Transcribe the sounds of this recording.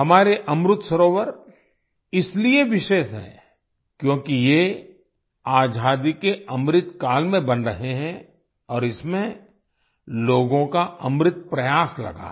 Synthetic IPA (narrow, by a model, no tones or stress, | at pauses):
ɦɐmaːɾeʔɐmɾʊt̪sɐɾoːʋəɾ | ɪslieʋɪʃeːʃɦɛ̰̃ː | kjõːkije | aːd͡ʒʱaːd̪ikeɐmɾɪt̪kaːlmẽbɐnɾɐɦeɦɛ̃ | ɔːɾɪsmẽ | loːɡõkaɐmɾɪt̪̚pɾɐjaːslɐ̰ɡa̰ː